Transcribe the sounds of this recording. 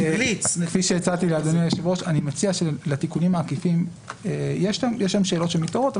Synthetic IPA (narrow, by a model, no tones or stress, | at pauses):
lit͡skfiʃeet͡salt̪ilead̪oniajeʃivo̞ʃanimat͡siaʃelet̪ikunimaːkifim | ejeʃamjeʃamʃe̞ːlo̞tʃemit̪oʁo̞t̪